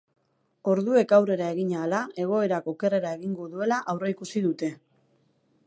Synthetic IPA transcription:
o̞ɾðue̞kawre̞ɾae̞ɣiɲaːlae̞ɣ̞o̞e̞ɾako̞ke̞re̞ɾae̞ɣiŋɡo̞ðue̞laʔawreikusiðut̪e̞

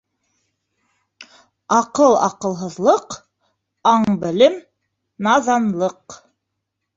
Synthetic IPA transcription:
ɑqɤlˠɑ̰qɤ̆lˠɦɤ̆ðlˠɤq | ɑɴbɘ̆lɘm | nɑðɑnlˠɤq

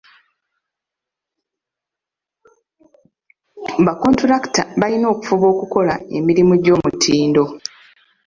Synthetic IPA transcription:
βako̞ntuɾaktaβalino̞ːku̥fuβo̞ːkuko̞lae̞̰miɾimuɟo̞ːmutʰiːndo̞

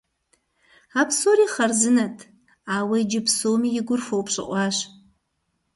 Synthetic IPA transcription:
apʰsoriχɐrzɨnatʰ | aːwɐjd͡ʒɪpsomijɪɡʷʊrfowpʰɕʷʼɨ̰qʼʷaːɕ

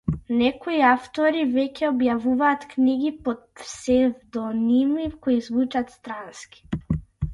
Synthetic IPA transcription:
nɛkɔiaft̪ɔɾivɛcɛɔbjavuvaːt̪kniɡipɔt̪sɛvd̪ɔnimikoizvut͡ʃat̪st̪ɾanskʲi̥

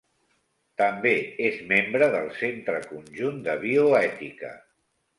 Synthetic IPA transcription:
t̪əmbeezmembɾəðəlˠsent̪ɾəkunʲʒund̪əβioɛt̪ikə̰

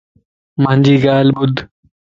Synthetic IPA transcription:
mɐ̃nʲd͡ʑiːɡaːlbud̪

